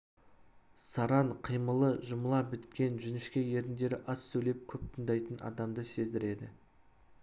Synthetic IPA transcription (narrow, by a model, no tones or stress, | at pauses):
sɑɾɑɴqʰijməlˠəʒʊməlˠɑbɪt̪kʲe̞nʒʏnɪʃkʲe̞jeɾɪnd̪e̞ɾɪʔɑsːɵjle̞p̚kʲʰɵp̚t̪ʰənd̪ɑjt̪ənʔɑ̰d̪ɑmd̪əse̞zd̪ɪɾe̞d̪ɪ